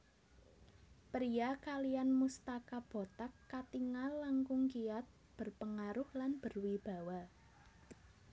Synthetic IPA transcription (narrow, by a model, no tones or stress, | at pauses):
pɾiakalijanmust̪akab̥o̤t̪akːat̪iŋallːaŋkʊŋkijat̪̚ | b̥ərpəŋaɾʊhlanb̥ə̤rwib̥a̤wa